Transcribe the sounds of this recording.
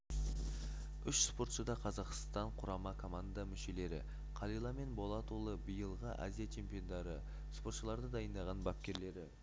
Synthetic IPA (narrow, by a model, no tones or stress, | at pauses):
ʏʃspo̞ɾt̪ʃəd̪ɑqʰɑzɑqst̪ɑɴqʰʊɾɑmɑkʰo̞mand̪ɑmʏʃe̞le̞ɾɪ̰ | qʰɑlˠijlˠɑme̞nbo̞lˠɑt̪ulˠəbijəlˠʁəʔa̰zijat͡ʃʰe̞mpijo̞nd̪ɑɾə | spo̞ɾt̪ʃəlˠɑɾd̪əd̪ɑjənd̪ɑʁɑnbɑp̚kʲe̞ɾle̞ɾɪ